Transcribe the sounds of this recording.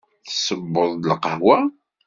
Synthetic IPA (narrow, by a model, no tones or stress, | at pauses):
θəsəbːʊðˤlqəhwæ